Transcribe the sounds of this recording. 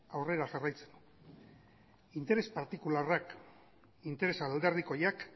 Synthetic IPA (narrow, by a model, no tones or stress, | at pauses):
awre̞ɾaʝarajt͡se̥nd̪u | int̪e̞ɾe̞spaɾt̪ikularak | int̪e̞ɾe̞sald̪e̞ɾðiko̞jak